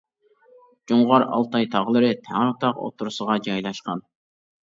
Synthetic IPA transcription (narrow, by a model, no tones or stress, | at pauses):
d͡ʒuɴʁɑɾɑ̰lˠt̪ɑjt̪ʰɑʁlˠɨɾɨt̪ʰæŋɾut̪ʰɑqo̰t̪ʰuɾʊsəʁɑd͡ʒɑjlˠɑʃqɑn